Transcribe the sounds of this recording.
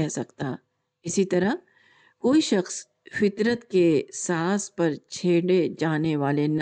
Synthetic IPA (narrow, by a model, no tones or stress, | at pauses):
ɛɦsɐkt̪a | ɪsit̪ɐɾə | koːiʃɐxs | fɪt̪ɾət̪kesaːspɐɾt͡ʃʰeːɽed͡ʒaːneʋaːlen